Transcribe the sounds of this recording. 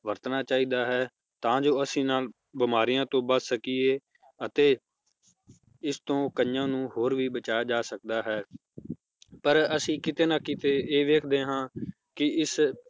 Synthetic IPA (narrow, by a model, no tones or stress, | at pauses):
ʋəɾt̪naːt͡ʃaːiːd̪aːɦɛː | t̪ãːd͡ʒoːəsĩːnaːl | bɪmaːɾijãːt̪õːbəssəkiːeː | ət̪eː | ɪst̪õːkəjãːnũːhoːɾʋiːbət͡ʃaːjaːd͡ʒaːsək̚d̪aːɦɛː | pəɾəsĩːkɪt̪eːnaːkit̪eːeːʋeːkʰd̪eːɦãː | kɪɪs